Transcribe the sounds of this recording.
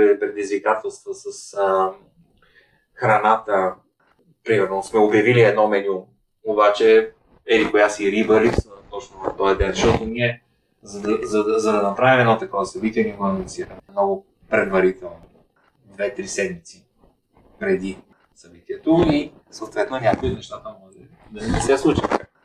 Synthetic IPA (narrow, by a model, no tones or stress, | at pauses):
ɛpɾɛd̪izvikat̪ɛlˠst̪vosəsə | xɾɐnat̪ə | pɾimɛɾnosmɛobjɐviliɛd̪nɔmɛlium | obat͡ʃɛ | ɛlikojasiɾibɐɾist̪ɔt͡ʃnovɐft̪ɔjɐd̪ɛnzɐʃt̪ɔt̪oniɛ | zɐd̪zɐzɐd̪ɐnɐpɾavimɛd̪nɔt̪ɐkɔvəsɐbit̪iɛnɛɡosiɛmnɔɡʊ | pɾɛd̪vɐɾit̪ɛlˠno | d̪vɛt̪ɾisɛd̪mit̪si | pɾɛd̪i | sɐbit̪iɛt̪oisɐot̪vɛt̪nonʲakʊjinɛʃt̪at̪əmɔɡʒɛ | d̪ɐnɛsɛslˠut͡ʃi̥t̪a